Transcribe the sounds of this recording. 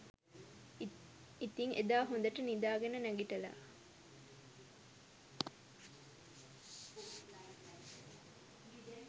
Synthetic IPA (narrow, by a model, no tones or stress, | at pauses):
it̪iŋʔed̪aːɦond̪ɐʈənid̪aːɡenənæɡiʈɐla̰